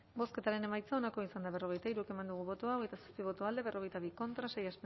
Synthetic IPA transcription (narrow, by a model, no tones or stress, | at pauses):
bo̞ske̞t̪aɾe̞ne̞majt͡sao̞nako̞isand̪aβ̞e̞ro̞ɣ̞e̞jt̪aiɾueke̞mand̪uɣ̞uβo̞t̪oao̞ɣe̞jt̪asospiβ̞o̞t̪oald̪e̞βe̞rʔo̞ɣ̞ejt̪aβiko̞nt̪ɾase̞jasp